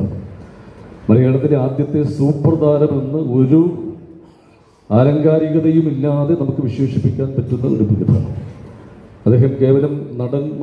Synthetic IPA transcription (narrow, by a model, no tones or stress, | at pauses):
mɐlɐjeːɳɐt̪ːileaːd̪jɐt̪ːe̞suːprɐd̪aːɾɐme̞nːɨo̞ɾu | aːɾɐŋɡaːɾiɣɐðɐjumilːaːðe̞nɐmukːɨʋiɕweːʂipːikʲːaːnpɐtːunːɐo̰ɾupiɣit̪ːɐ̰ɳɐ̰m | ɐd̪ːeːɦɐmke̞ːʋɐlɐmnɐɽɐn